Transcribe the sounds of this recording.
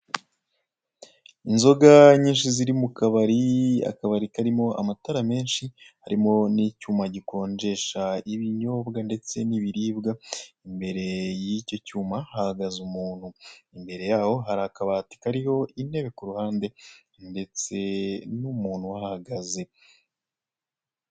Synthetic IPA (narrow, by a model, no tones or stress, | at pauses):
inzo̞ɡaɲiːnʃiziɾimukaβaɾia̰kaβaɾikaɾimo̞ʔa̰mataɾame̞ːnʃihaɾimo̞nicuːmaɟiko̞ːnd͡ʒe̞ʃaiβiɲo̞ːbɡande̞t͡se̞niβiɾiːbɡaimbe̞ɾe̞jico̞cuːmahahaɡazumuːn̥huimbe̞ɾe̞jaːho̞ɦaɾaːkaβaːti̥kaɾiho̞ine̞βe̞kuɾuhaːnde̞ | nde̞t͡se̞numuːn̥huwahahaɡaze̞